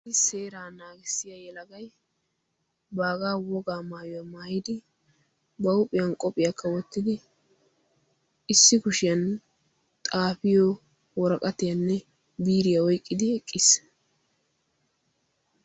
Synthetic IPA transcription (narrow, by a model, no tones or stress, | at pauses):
ɪse̞ːɾaːnaːɡɪsːɪjɐjɛlɐɡɐj | baːɡaːwɔɡaːmaːjɔjɐmaːjɪd̪ɪ | bɐʊpʼːɪjɐnkʼɔpʼɪjɐkʰːɐwɔt̪ːɪd̪ɪ | ɪsːɪkʊʃɪjɐn | t̪ʼaːfɪjɔ | wɔɾɐkʼɐt̪ɪjɐnːɛ | biːɾɪjɐwɔjkʼːɪd̪ɪɛkʼːɪs